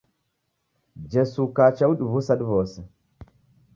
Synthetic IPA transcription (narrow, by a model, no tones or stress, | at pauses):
d͡ʒesukat͡ʃawuɗivusaɗvose